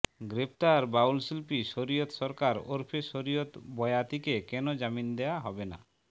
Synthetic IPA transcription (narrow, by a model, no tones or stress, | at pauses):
ɡɾep̚ʰt̪aɾbawlsilpiʃoɾijot̪ʃɔɾkaɾo̰ɾpʰeʃoɾijot̪bɔeat̪ikekɛnod͡ʑamind̪eaɦɔbena